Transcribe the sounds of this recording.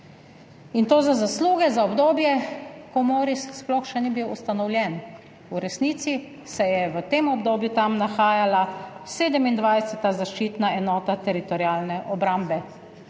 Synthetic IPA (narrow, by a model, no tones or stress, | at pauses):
int̪oːzazasluːɡɛzaɔbd̪oːbjɛkɔmoːɾissplɔxʃɛnibiwust̪anɔwlʲjɛn | uɾɛsniːt̪si | sɛjɛʋət̪eːmɔbd̪oːbjut̪amnaxaːjalaseːd̪əmind̪ʋajsɛt̪azaʃt͡ʃiːt̪naɛnɔːt̪at̪ɛɾit̪ɔɾiaːlnɛʔɔbɾambɛ